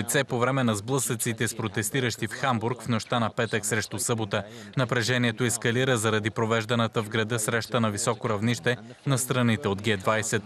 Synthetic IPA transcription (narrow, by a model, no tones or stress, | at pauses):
t̪sɛpovɾɛmɛnɐzblˠɤsət̪sit̪ɛspɾot̪ɛst̪iɾəʃt̪ifxambuɾkfnoʃt̪anɐpɛt̪əksɾɛʃt̪osɤbot̪ə | nɐpɾɛʒɛniɛt̪oɛskɐliɾəzɐɾɐd̪ipɾovɛʒd̪ɐnət̪əvɡɾɐd̪ɤsɾɛʃt̪ənɐvisɔkoɾɐvniʃt̪ɛ | nɐst̪ɾɐnit̪ɛod̪ɡɛd̪vajsɛt̪